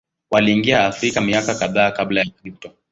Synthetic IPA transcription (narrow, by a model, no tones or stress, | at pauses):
waliːŋɡiaːfɾikamiakakaðaːkablajakʄutɔ